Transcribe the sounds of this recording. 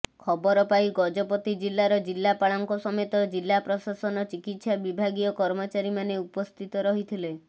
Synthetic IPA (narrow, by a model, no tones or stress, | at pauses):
kʰɔbɔɾɔpajɡɔd͡ʒɔpɔt̪id͡ʒilːaɾɔd͡ʒilːapaɭɔŋkɔsɔmet̪ɔd͡ʒilːapɾɔsasɔnɔt͡ʃikit̪sabibʱaɡiɔkɔɾmɔt͡ʃaɾimaneupɔst̪ʰit̪ɔɾɔɦit̪ʰile